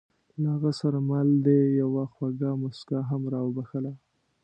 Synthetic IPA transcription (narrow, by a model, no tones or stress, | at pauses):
lahaɣəsaɾamald̪ejawaxwaɡamʊskaɦamɾɑwbaxəla